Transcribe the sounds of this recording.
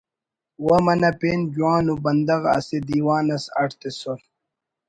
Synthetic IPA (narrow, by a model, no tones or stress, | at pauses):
wɐmɐnɐpeːnd͡ʑuwaːnubɐnd̪ɐɣɐ̰sed̪iːwaːnɐsɐʈʰt̪esol